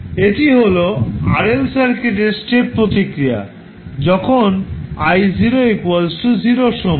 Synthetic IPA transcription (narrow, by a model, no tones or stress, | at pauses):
eʈiɦoloa̰ɾelsaɾkeʈ̬eɾsʈeppːɾot̪ikɾia̰ | d͡ʑɔkʰonajziɾoekwalsuziɾoʃom